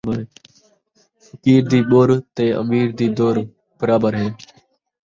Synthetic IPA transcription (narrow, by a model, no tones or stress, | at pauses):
ɾ | fəkiːɾd̪iːɓoːɾt̪eːʔə̰miːɾd̪iːd̪oːɾ | b̥əɾaːbəɾɦeː